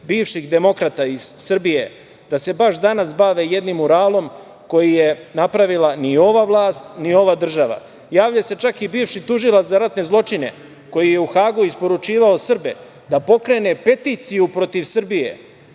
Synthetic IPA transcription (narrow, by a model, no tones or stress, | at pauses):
biːʋʃiɣd̪e̞mo̞kɾat̪aiz̥ːɨr̩bije̞ | d̪̥ase̞baʃd̪anasbaʋe̞je̞d̪nimːuɾaːlo̞m | ko̞jije̞napɾaʋilanio̞ʋaʋlˠaːst̪nio̞ʋad̪r̩ʒaʋa̰ | jaːʋʎase̞t͡ʃakibiːʋʃit̪uʒilat̪zaɾat̪ne̞zlˠo̞t͡ʃine̞̰ | ko̞jije̞uxaːɡuispo̞ɾut͡ʃiːʋao̞srbḛ | d̪apo̞kɾe̞ne̞pe̞t̪iːt̪sijupɾo̞t̪iʋsɨr̩bije̞̰